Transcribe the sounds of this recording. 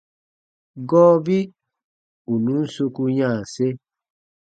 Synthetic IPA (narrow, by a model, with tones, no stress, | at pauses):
ɡɔː˦bi˦ | u˨nũ˨˦n̩˦so˧ku˧ɲã˦˨se˦